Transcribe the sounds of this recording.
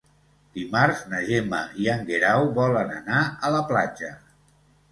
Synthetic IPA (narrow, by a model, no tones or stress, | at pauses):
d̪̥imaɾznəʒeməiaŋɡeɾawβɔlənənaələplad͡ʒə